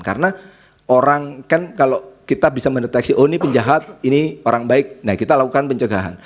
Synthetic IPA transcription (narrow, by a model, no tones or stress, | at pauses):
ka̰ɾəna | oɾaŋkankalokit̪abisaməndet̪ɛksiʔonipəɲd͡ʒaɦat̪̚inioɾaŋbaɪk̚nakit̪alakukanpəɲt͡ʃəɡaɦa̰n